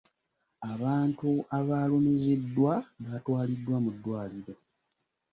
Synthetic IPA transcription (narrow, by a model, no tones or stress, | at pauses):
aβaːntuaβaːlo̞me̞ze̞dːwaβatwaːlidːwamudːwaːliɾo̞